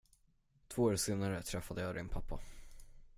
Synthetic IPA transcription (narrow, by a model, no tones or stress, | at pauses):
t̪ʰvoːəseːnaɾət̪ʰɾɛfːad̪əjɑd̪ɪnpʰapːa